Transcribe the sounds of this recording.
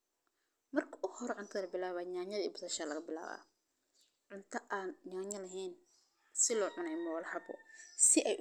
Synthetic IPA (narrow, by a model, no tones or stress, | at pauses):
mɐrkʰɐ̥ʔʊhɔɾʕʊnt̪ʰɐðɐlɐbɪlaːβaːɲaːɲɐðiːbʊsɐʃaːlɐɣɐbɪla̰ːβa̰ː | ʕʊnt̪ʰɐʔaːnɲaːɲɐlɐɦɛːn | sɪlɔːʕʊnɛjmɔwlħɐbɔ̰sɪʔɛj